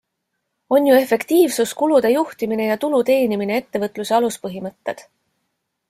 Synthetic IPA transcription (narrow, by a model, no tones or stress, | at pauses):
o̞njue̞fe̞kt̪iːvsuskulud̪̥e̞juht̪imine̞jɑt̪ulut̪e̞ːnimine̞et̪ːe̞vɤt̪ˑluse̞ɑluspɤɦimɤt̪ːe̞̰d̪̥